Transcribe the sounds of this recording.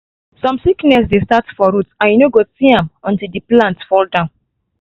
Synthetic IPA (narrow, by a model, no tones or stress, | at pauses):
sɔ̃msiknɛsdestatfɔɾutãnjunoɡosiãmɔ̃ntildiplãntfɔldãʊ̃n